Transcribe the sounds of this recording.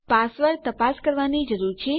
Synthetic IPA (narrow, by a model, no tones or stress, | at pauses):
pasʋəɾt̪əpaskəɾʋanid͡ʒəɾuɾt͡ʃʰe